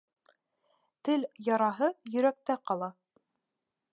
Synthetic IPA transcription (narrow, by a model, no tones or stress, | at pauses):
t̪ɘljɑɾɑɦɤjɵ̆ɾæk̚t̪æqɑlˠɑ